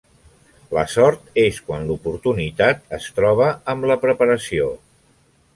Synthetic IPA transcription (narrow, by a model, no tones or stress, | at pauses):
ləsɔɾt̪eskwanlupuɾt̪unit̪at̪̚əst̪ɾɔβ̞əəmləpɾəpəɾəsio